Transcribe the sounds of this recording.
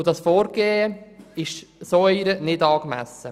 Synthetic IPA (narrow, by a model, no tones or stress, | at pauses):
dɑsfoːɾɡ̥eːəɪʃsoːiɾənɪdɑːkmæ̰sə